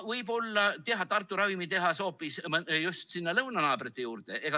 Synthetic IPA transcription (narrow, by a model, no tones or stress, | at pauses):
vɤjbo̞lːɑt̪e̞ɦɑt̪ɑrt̪ːˑuɾɑvimit̪e̞ɦɑso̞ːpːˑismjust̪sinːɑlɤwnɑnɑːb̥ret̪ːˑe̞juːrd̪̥e̞ʔeɡ̥ɑ